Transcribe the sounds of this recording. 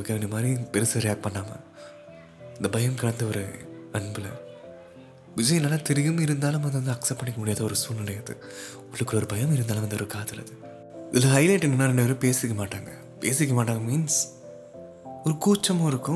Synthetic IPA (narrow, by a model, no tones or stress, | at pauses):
ɯkːɐɐnɐmaːd̪ɾipɛɾɯsɐɾɪjaːk̚pɐɳːaːmɐ̰ | ɪnd̪ɐbɐjɐmkɐɽɐnd̪ɐɔɾɯɐɳbɯlɐ̰ | ʋɪd͡ʒɐjɪnlɐːlɐt̪ɪɾɪjɯmɪɾɯnd̪aːlɯ̃mɐnd̪ʋɐnd̪ɯɐksɐp̚pɐɳːɪkːɐmʊɽɪjaːðɐɔɾɯsuːlnɐlɐjɐɯðɯ̰ | ɔɭːɯkːɯlɔɾɯbɐjɐmɪɾɯnd̪aːlɯ̃ʋɐnd̪ɯɔɾɯkaːlt̪ːɪlɐ̰ðɯ | ɪðɪlːɐɦɐɪlɐɪʈːɛnɡɐnːaːɾɛɳɖɯʋɐɾɯpeːsɪɾɪkːɐmaːʈːaːŋɡɐ | pḛːsɪɾɪk̬ːɐmaːʈ̬ːaːŋɡɐmiːns | ɔɾɯkuːt͡ʃːɐmõɪɾɯkːʊ̃